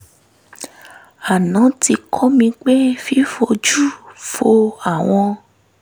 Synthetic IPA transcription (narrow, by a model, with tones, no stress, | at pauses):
a˨nã˨˦ti˧kʰɔ˦mĩ˧k͡pe˦fi˦fo˧d͡ʒu˦fo˧a˨w̃ɔ̃˧